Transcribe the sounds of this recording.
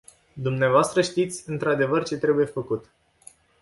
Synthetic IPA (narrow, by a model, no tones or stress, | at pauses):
d̪umneavoast̪ɾəʃt̪it̪sʲɨnt̪ɾad̪e̞vərt͡ʃe̞t̪ɾe̞buje̞fəkut̪